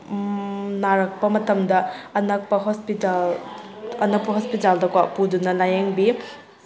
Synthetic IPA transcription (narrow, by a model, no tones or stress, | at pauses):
naɾɐk̚pɐmɐtɐmdɐːnɐk̚pɐɦospital | ɐnɐk̚pɐɦospitaldɐkwaʔpudunɐlajeŋbi